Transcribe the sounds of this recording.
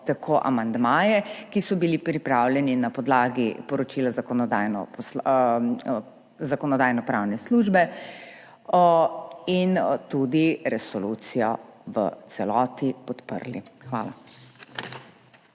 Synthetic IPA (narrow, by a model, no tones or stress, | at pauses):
t̪akʰoʔa̰mand̪maːjɛkisɔbilipɾipɾawlʲjɛninapɔd̪laːɡipɔɾɔt͡ʃiːlazakɔnɔd̪aːjnɔ̰pɔs | zakɔnɔd̪aːjnɔpɾaːwnɛsluʒbɛ | int̪ud̪iɾɛsɔluːt̪sijɔʋə̰t̪sɛlɔːt̪ipɔt̪pə̰ɾlixʋa̰ːla̰